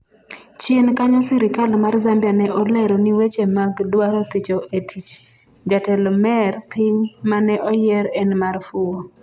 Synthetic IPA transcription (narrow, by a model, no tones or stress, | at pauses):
t͡ʃjenkaɲɔsɪɾɪkalmarzambjanɛʔɔlɛɾɔniwet͡ʃemaɡdwaɾot̪it͡ʃoetʰit͡ʃ | d͡ʒatɛlmɛrpiɲmanɛʔɔjɛɾɛnmarfuo